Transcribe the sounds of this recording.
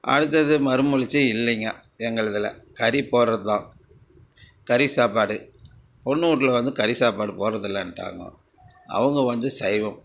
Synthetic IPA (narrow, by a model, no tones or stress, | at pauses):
ʔɐ̰ɽɯt̪̬ːɐðɯmɐɾɯmʊɻɪt͡ʃːɐɪlːɛŋɡɐ | ɛŋɡɐɭɐðɪlɐ̰kɐɾipoːɾɾɐt̪ːãː | kɐɾisaːpaːɽɯ | pɔnːɯuːʈːɪlɐʋɐnd̪ɯkɐɾisaːpaːɽɯpoːɾɾɐðɯlːãɛnʈːa̰ːŋɡɐ̰̃ | ɐ̰ʋɐŋɡɐʋɐnd̪ɯsɐɪʋɐm